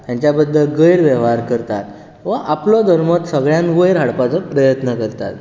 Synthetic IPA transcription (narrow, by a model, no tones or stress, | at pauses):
t̪jãɲt͡ɕjabəd̪ʱːəlɡəjɾʋjəʋɦaɾkəɾt̪at̪ | ʋəʔaplɔd̪ʱəɾmət̪səɡɭjãnʋəjɾɦaɽpat͡səpɾəjət̪nəkəɾt̪a̰t̪